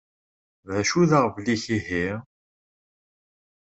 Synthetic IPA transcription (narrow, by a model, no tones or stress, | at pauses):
ðæʃuðəʁvliçihi